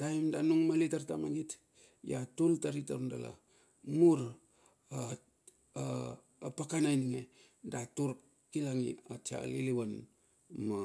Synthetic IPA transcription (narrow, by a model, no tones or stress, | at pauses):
d̥aimdanuŋmalitaɾtamaɡit | jatultaɾitaundala̰ | muɾ | a | a | pakanajniŋe | datuɾ | kilaŋḭatia̰liliwan | ma